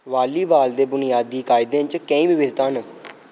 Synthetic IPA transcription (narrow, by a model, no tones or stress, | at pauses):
ʋaːliːbaːld̪eːbʊnɪjaːd̪iːkaːɪd̪ẽːt͡ʃkẽĩːbɪʋɪd̪t̪aːn